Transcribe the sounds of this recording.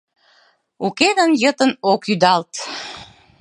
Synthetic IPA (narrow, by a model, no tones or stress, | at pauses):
uked̪ənjət̪ənokyd̪ɑlt̪